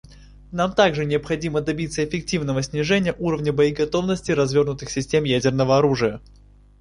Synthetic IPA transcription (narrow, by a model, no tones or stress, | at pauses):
namt̪aɡʐɨnʲɪəpxɐdʲiməd̪ɐbʲit̪səɪfʲɪk̚tʲivnəvəsʲnʲɪʐɛnʲɪjəʔuɾəvnʲəbəɪɡɐt̪o̞vnəsʲtʲɪjɾɐzvʲo̞rnʊt̪ɨxsʲɪsʲtʲe̞mjædʲɪrnəvəɐɾuʐɨjə